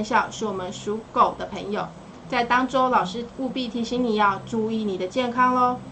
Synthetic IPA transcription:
nɕjɑ˥˧ʊʂɻ̩˥˩wɔ˨˩mə˨˦nʂu˧˥ko˨˩ʊd̪ə˦pʰə˧˥ŋjo˨˩ʊ | t͡sa˥˩ɪt̪ɑ˥ŋʈ͡ʂo˥ʊlɑ˨˩ʊʂɻ̩˥u˥˧pi˥˩t̪ʰi˧˥ɕi˧˥ŋni˨˩jɑ˥˧ʊʈ͡ʂu˥˧i˥˧˩ni˨˩d̪ə˦t͡ɕjɛ˥˨nkʰɑ˥ŋlo˧˦

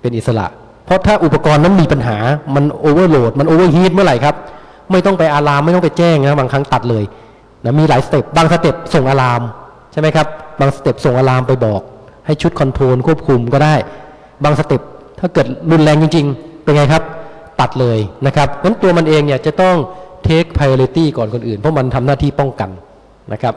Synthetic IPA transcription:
pe˧nʔi˨˩t̪̚sa˧la̰˨˩ʔ | pʰɔ˦˥t̪ʰaː˥˩ʔu˨˩pːa˧kɔː˧nːa˦˥˩nmiː˧pa˧nɦaː˩˦ma˧nʔoː˧wɤː˥˩loː˨˩t̪̚ma˧nʔoː˧wɤː˥˩ɦiː˦˥˩t̪̚mɯ˥˩ɐɾa˨˩jkʰa˦˥p̚ | ma˥˩jt̪ɔ˥˩ŋpa˧jʔaː˧laː˧ma˥˩jt̪ɔ˥˩pea˧˩t͡ɕɛː˥˩ŋna˦˥baː˧ŋkʰa˦˥ŋt̪a˨˩t̪̚lɤː˧j | na˦˥miː˧laː˩˦jsa˧t̪e˨˩p̚baː˧ŋsa˧t̪e˨˩p̚so˨˩ŋʔaː˧laː˧m | t͡ɕʰa˥˩jma˦˥jkʰa˦˥p̚baː˧ŋsa˧t̪e˨˩p̚so˨˩ŋʔaː˧laː˧mpa˧jbɔː˨˩k̚ha˥˩jt͡ɕʰu˦˥t̪̚kʰɔ˧nt̪ʰoː˧nkʰu˥˩əp̚kʰu˧mkɔː˥˩daː˥˩j | baː˧ŋsa˧t̪e˨˩p̚t̪ʰaː˥˩kɤː˨˩t̪̚lu˧nlɛː˧ŋt͡ɕi˧ŋt͡ɕi˧ŋpe˧nŋa˧jkʰa˦˥p̚t̪a˨˩t̪̚lɤː˧jna˦˥kʰa˦˥p̚ŋa˦˥nt̪u˧ɐma˧nʔeː˧ŋni˥˩t͡ɕa˨˩t̪ɔ˥˩ŋt̪ʰeː˦˥k̚pʰa˧joː˧li˧t̪iː˥˩kɔː˨˩nkʰo˧nʔɯː˨˩npʰɔ˦˥ma˧nt̪ʰa˧mnaː˥˩t̪ʰiː˥˩pɔ˥˩ŋka˧n | na˦˥kʰa˦˥p̚

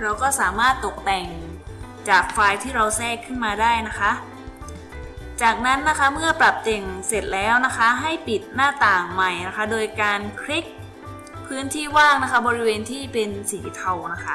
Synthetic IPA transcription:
ɾa˧wkɔː˥˩saː˩˦maː˥˩t̪ːo˨˩k̚t̪ɛ˨˩ŋt͡ɕaː˨˩k̚faː˧jt̪ʰiː˥˩ɾa˧wsɛː˥˩kʰːɯ˥˩nmaː˧daː˥˩jna˦˥kʰa˦˥ʔ | t͡ɕaː˨˩k̚na˦˥nːa˦˥kʰa˦˥mɯ˥˩ɐpɾa˨˩p̚t̪e˨˩ŋse˨˩t̪̚lɛː˦˥wna˦˥kʰa˦˥ɦa˥˩jpi˨˩t̪̚naː˥˩t̪aː˨˩ŋma˨˩jna˦˥kʰa˦˥doː˧jkaː˧nkʰɾi˦˥k̚ | pʰɯː˦˥nt̪ʰiː˥˩waː˥˩ŋna˦˥kʰa˦˥bɔː˧ɾi˦˥weː˧nt̪ʰiː˥˩pe˧nsiː˩˦t̪ʰa˧wna˦˥kʰa˦˥˩

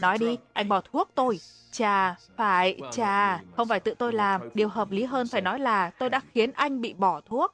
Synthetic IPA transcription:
nɔ˨˦jɗi˧ʔa˧jŋ̟ɓɔ˧˩t̪ʰu˦˥ək̚t̪o˧j | t͡ɕaː˨˩faː˧˩jt͡ɕaː˨˩xə˧wŋ͡mfaː˧˩jt̪ɨ̰˧˨t̪o˧jlaː˨˩mɗi˨˩əwɦəː˨˩p̚li˨˦ɦəː˧nfaː˧˩jnɔ˨˦jlaː˨˩t̪o˧jɗa̰ː˧˥xi˨˦ənʔa˧jŋ̟ɓḭ˧˨ɓɔ˧˩t̪ʰu˦˥ək̚

